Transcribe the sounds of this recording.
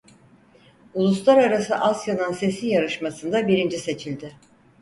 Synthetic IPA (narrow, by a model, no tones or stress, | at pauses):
ulˠuslˠaɾaɾasɯʔasjanɯnse̞sijaɾɯʃmasɯnd̪abiɾind͡ʒise̞t͡ʃʰilʲd̪ɪ